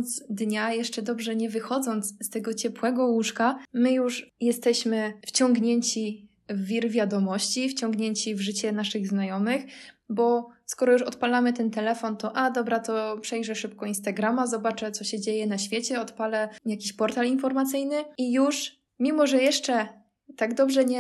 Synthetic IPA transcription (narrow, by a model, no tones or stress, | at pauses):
nt̪sd̪ɲajɛʂt͡ʂɛd̪ɔbʐɛɲɛvɘxɔd̪zɔnt̪sst̪ɛɡɔt͡ɕɛpwɛɡɔwuʂkamɘjuʂjɛst̪ɛɕmɘft͡ɕɔŋɡɲeɲt͡ɕi | vːʲiɾvʲjad̪ɔmɔɕt͡ɕift͡ɕɔŋɡɲeɲt͡ɕivʐɘt͡ɕɛnaʂɘɣznajɔmɘxbɔskɔɾɔjuʂɔt̪palamɘt̪ɛnt̪ɛlɛfɔnt̪ɔʔad̪ɔbɾat̪ɔpʂɛjʐɛʂɘpkɔinst̪aɡɾamazɔbat͡ʂɛt̪sɔɕɛd͡ʑejɛnaɕfʲjet͡ɕɛɔt̪palɛjakʲiɕpɔɾt̪alinfɔɾmat̪sɘjnɘijuʂ | mʲimɔʐɛjɛʂt͡ʂɛ | t̪aɡd̪ɔbʐɛɲɛ